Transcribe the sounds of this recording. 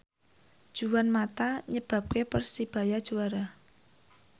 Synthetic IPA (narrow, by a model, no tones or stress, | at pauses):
d̥ʒ̥uwanmat̪aɲəb̥ä̤p̚kepərsib̥a̤jad̥ʒ̥uwaɾa